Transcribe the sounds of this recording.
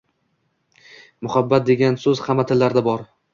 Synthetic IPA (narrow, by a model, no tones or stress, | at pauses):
mʊhabːat̪̚d̪e̞ɡʲansɵz̥hamːat̪ʰɪlːaɾd̪abɒɾ